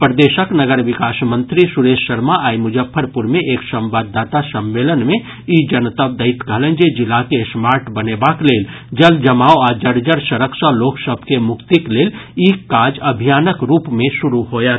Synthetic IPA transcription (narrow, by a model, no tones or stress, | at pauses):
pɾəd̪eːʃəknəɡəɾʋɪkaːsmə̃nt̪ɾisuɾeʃːəɾmaʔaimud͡ʒəpʰːəɾpuɾmẽʔeːksə̃mbad̪ːaːt̪asəmːelənmẽ | id͡ʒənt̪əb̚d̪əɪt̪ɡʱələ̃nd͡ʒed͡ʒilakesmaːɾʈbənebakleːl | d͡ʒəld͡ʒəmaːoad͡ʒəɽd͡ʒəɾsəɾəksəloksəbʱkemʊkt̪ikleːlikːaːd͡ʒəbʱijaːnəkɾuːpmẽsuɾuɦojat̪